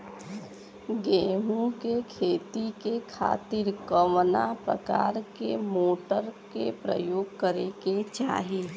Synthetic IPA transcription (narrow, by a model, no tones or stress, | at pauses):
ɡẽːɦũkekʰeːt̪ikekʰa̰ːt̪ɪɾkəʋna̰pɾə̰ka̰ːɾkemoːʈəɾkḛpɾə̰joːɡ̚kəɾeket͡ʃa̰ːɦieː